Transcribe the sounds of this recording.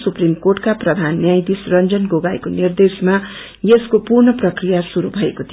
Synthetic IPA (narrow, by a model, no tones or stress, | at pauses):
suprimkorʈkaprʌd̪ʱanːjajd̪isrʌnd͡zʌnɡoɡajkonird̪esma | jeskopurɳʌprʌkrijasuɾubʱʌekot̪ʰi